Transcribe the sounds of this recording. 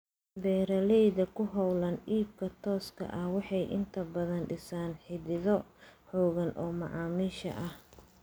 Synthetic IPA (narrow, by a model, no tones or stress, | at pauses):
bɛːɾɐlɛjðɐkʰʊɦɔwlɐniːb̚kʰɐt̪ʰɔːskʰɐ̰ʔɐhwɑħɑjʔɪ̰nt̪ʰɐbɐðɐnɖɪsaːnħɪðɪðɔħɔːɣɐnʔɔːmɑ̰ʕɑːmiːʃɐ̰ʔɐh